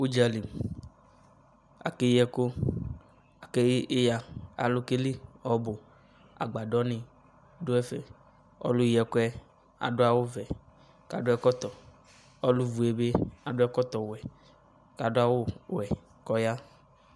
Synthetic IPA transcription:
u˦d͡ʒa˨li˨m | a̰˨ke˦jɛ˦ko˦ | a˨ke˦ja˨a̰˨lo˦ke˦li˦ɔ˨bo˨ | a̰˨ɡ͡ba˨ɖɔ˦nĩ˨ | do˦ɛ˦fɛ˨ | ɔ̰˦lʊ˦jɛ˨ko˦ɛ˦ | a̰˨ɖo˦a˨wo˦vɛ˨ | ka˨ɖʊ˦ɛ˦kɔ˦t̪ɔ˨ | ɔ˦lu˦vu˨e˨˦be˦a˨ɖʊ˦ɛ˦kɔ˦t̪ɔ˨wɛ˨ | ka˨ɖo˦a˦wo˦wɛ˨ | kɔ˦ja˦

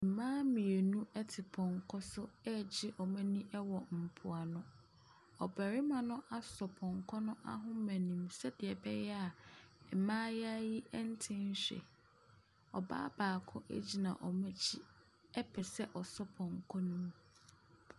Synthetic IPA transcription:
m̩˨mãː˦mĩ˨e˨nũ˦ʔɛ˦tʰɪ˨pʰɔ̃˨ŋ˨kʰɔ˦sʊ˦ɛ˦˨d͡ʑɪ˦ʔɔ˨mæ̃˦nĩ˦ʔɛ˦wɔ˨m̩˨pʰʊ˨a˨nʊ̃˦ | ɔ˨bæ˨ɾɪ˦mã˨nʊ̃˦ʔa˦sɔ˨pʰɔ̃˨ŋ˨kʰɔ˦nʊ̃˦ʔa̰˦ɦʊ̃˦mæ̃˨nĩ˨msɛ˦dɪ˨ɛ˨bɛ˦jɛ˦a˨ɛ˨mãː˦ja˦ji˦ʔɛ˦n̩˦tʰɪ̃˦n̩˦ɕᶣɛ̰˨ | ɔ̰˨ba̰ː˦baː˨kʰʊ̰̃˦ʔɛ̰˦d͡ʑi˦nã̰˨ʔɔ˨mæ̃˦d͡ʑi˦ | ɛ˦pʰɛ˨sɛ˦ʔɔ˨sɔ˦pʰɔ̃˨ŋ˨kʰɔ˦nũ˦m˦

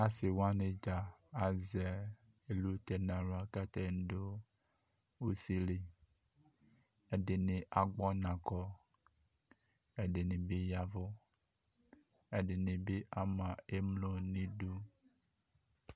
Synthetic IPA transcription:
a˦si˨wa˦nẽ˨d͡ʒa˨a˨zɛ˨ | e˨lu˦t̪ɛ˨nã˨lo˨˦a˨kɛ˦t̪ɛ˦n˦do˦ | wu˦si˦li˨ | e˨de˨nẽ˨ʔa˨ɡ͡bɔ˦nã˨kɔ˦ | e˦ɖe˨nĩ˨be˦ja˨vo˦ | e˨de˨nĩ˨be˦ʔa˦mã˨e˦mlo˦nĩ˦du˦

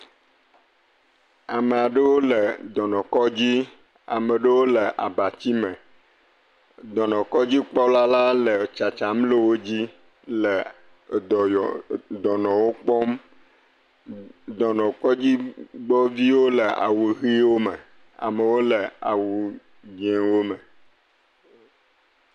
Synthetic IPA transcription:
a˨mə˨a˨ɖə˦wo˦lə˨d̪ɔ˨nɔ̃˨kɔ˦d͡ʑi˦ | a̰˨mə˨ɖə˦wo˦lə˨ʔa˨ba˨t͡ɕi˦mə˨ | d̪ɔ˨nɔ̃˨kɔ˦d͡ʑi˦k͡pɔ˦la˦la˦lə˨t͡ʃa˨t͡ʃa˨mle˦wo˦d͡ʑi˦ | lə˨ | d̪ɔ˨jɔ˨d̪ɔ˨nɔ̃˨wo˦k͡pɔ˦m | d̪ɔ˨nɔ̃˨kɔ˦d͡ʑi˦ɡ͡bɔ˦vi˦wo˦le˨a̰˨wu˨ɣi˦wo˦me˨ | a̰˨mə˨wo˦le˨a̰˨wu˨ | d͡ʒẽ˨wo˦me˨

